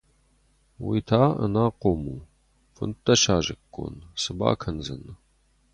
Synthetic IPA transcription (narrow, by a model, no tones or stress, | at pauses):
witʰaːʔə̰naːqoːmuː | fɨ̰ntʼɐʃaːʒɪkʼːo̰nsɨba̰ːkʰɐnzɐ̰nɨ